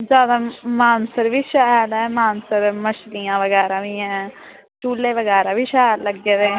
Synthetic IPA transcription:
d͡ʒjaːd̪aːmaːnsəɾʋiːʃaːjəlɛːmaːnsəɾməʃlijãːʋəɡɛːɾaːʋiːɛ̃ː | ʈuːlːeːʋəɡɛːɾaːʋiːʃaːjəlləɡeːd̪eː

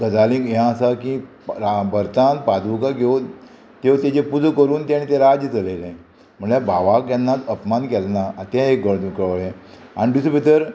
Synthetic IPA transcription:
ɡəd͡zalĩkjãəsakĩ | ɾabəɾt̪anpad̪ukaɡeu | t̪ewt̪ed͡ʑepud͡zkəɾuːnt̪aɽ̃it̪eɾad͡ʑjət͡səlelã | m̤əɳlabʱaʋakjanːat̪əpmankɛlnaat̪aɦekɡəɭkɭɭẽa̰ɽ̃id̪isəbit̪əɾ

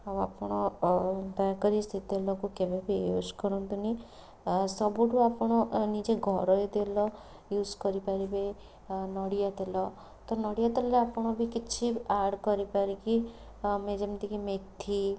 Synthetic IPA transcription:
awapɔɽ̃ɔ | d̪akɔɾist̪ʰit̪ɔlɔkukebebioskɔɾɔnt̪uni | sɔbuʈuapɔɽ̃ɔnid͡ʒeɡʱɔɾɔjed̪elɔ | juzkɔɾipaɾibe | nɔɽijat̪elɔ | t̪ɔnɔɽijat̪elɔɾeapɔɽ̃ɔbʱikit͡ʃʰiaɾɖkɔɾipaɾiki | med͡ʒemt̪ikimek̚t̪ʰi

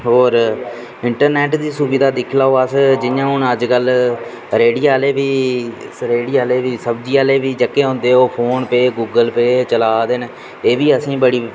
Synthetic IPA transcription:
ɦoːɾ | ɪɳʈəɾnɛːʈd̪iːsubiːd̪aːd̪ɪkʰlaːoːəsd͡ʒɪjãːɦʊnəd͡ʒkəl | ɾeːɽiːaːleːʋiː | ɾeːɽiːaːleːʋiːsəbd͡ʒiːaːleːʋiːd͡ʒəkːeːɦʊ̃ːnd̪eːoːpʰoːnpeːɡuːɡəlpeːt͡ʃəlaːd̪en | eːʋiːəsĩːbəɽiː

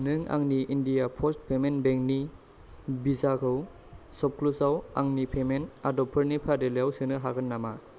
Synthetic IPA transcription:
nɯŋa̰ŋniʔːndijapʰɔstpʰemenbeŋni | bizakʰɯw | sɔp̚klusawaŋnipʰemenadɔpʰɯɾnipʰadelejawsɯnɯɦaɡɯnːama

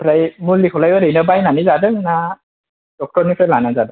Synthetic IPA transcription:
pʰɾajmulːikʰɔlajɯɾɯjnɯbajnanizadɯŋna | d̥ɔk̚tɔɾnikʰelanazadɯ

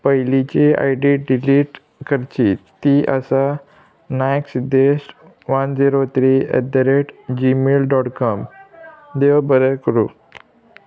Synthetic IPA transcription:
pəjlit͡ɕea̰jɖiɖiliːʈ | kʰəɾt͡ɕit̪ːiʔəsa | najksid̪ːeɕʈ | ʋənd͡ziɾot̪ʰɾiɛ̰d̪əɾeʈd͡ʑimelɖɔʈkɔm | d̪eʋbəɾəkɾu

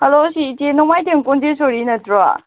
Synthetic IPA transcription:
hɐlosiːtenɔŋmajtʰeŋkond͡ʒesoɾinɐtɾa̰

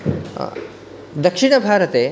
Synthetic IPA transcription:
d̪ɐkʂiɳɐbʱaːɾɐt̪eː

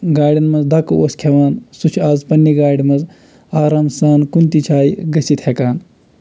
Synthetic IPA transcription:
ɡaːɽinmɐzd̪ɐkoːskʰeʋaːnsut͡ʃʰaːzpɐnːiɡaːɽimɐz | aːɾaːmsaːnkunt̪it͡ʃʰaːiɡɐsit̪ʰhekaːn

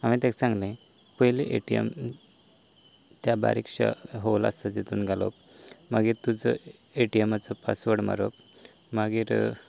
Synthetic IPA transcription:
amit̪ãksãŋɡlẽ | pəɦjleʔeʈijḛm | t̪jaba̰ɾikʂa̰ɦoʋla̰st̪at̪jet̪uːnɡʱalo̰pmaɡiːɾt̪ud͡zɔ̰ | eʈiemat͡sɔpasʋəɽma̰ɾop | maɡiːɾ

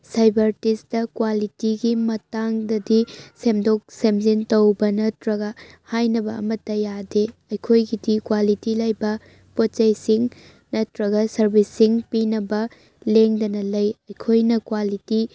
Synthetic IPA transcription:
sajbɐɾtisdɐkwalitiɡimɐtaŋdɐdisemdok̚semzintɐwbɐnɐtɾɐɡɐhajnɐbɐ̰ːmɐtːɐjadeɐjkʰojɡidikwalitilɐjbɐ | pot̚t͡ʃɐjsiŋ | nɐtɾɐɡɐsɐɾbisiŋpinɐbɐ | leŋdɐnɐlɐjɐjkʰojnɐkwaliti

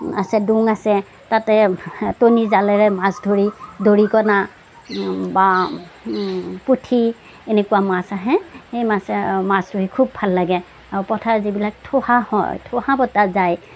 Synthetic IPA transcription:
asɛduŋasɛ | tatɛtonizalɛɹɛmasdʱoɹidoɹikɔna | ba | putʰi | enɛkuwamasaɦɛhejmasɛmastuɦikʰub̚ːʱalːaɡɛ | aɹupɔtʰazibilak̚tʰɔhahɔ̰jtʰɔhabɔtazaj

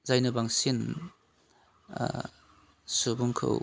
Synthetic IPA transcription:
zajnɐbaŋsin | subuŋkʰa̰w

